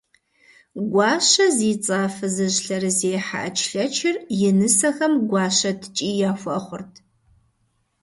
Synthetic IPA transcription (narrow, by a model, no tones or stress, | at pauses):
ɡʷɑːɕɐziːt͡sʼaːfɨzɨʑɬɐɾɨzeːħa̰ʔɐt͡ʃʼʰɬɐt͡ʃʰɪrjɪnɨsɐxɐmɡʷɑːʃɐtʰt͡ʃʼiːjaːfʷɐχʷʊrtʰ